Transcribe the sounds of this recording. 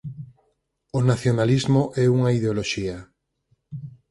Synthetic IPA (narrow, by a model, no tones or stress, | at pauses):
onaθjonalizmoʔɛuŋaiðeoloʃia